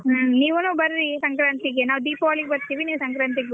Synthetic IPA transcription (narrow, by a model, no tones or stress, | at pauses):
nĩːʋɔnõbɐɾɾisɐŋkɾaːnt̪ɪk̬ːenaːd̪iːpʋaːlik̚bɐɾt̪iʋiniːsɐŋkɾaːnt̪̬ɪk̬ː